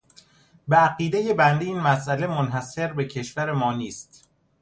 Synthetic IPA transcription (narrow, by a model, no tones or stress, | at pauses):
beæɢiːd̪e̞je̞bænd̪eiːnmæsʔæle̞monɦæse̞ɾbe̞cʰe̞ʃvæɾemɒːniːst̪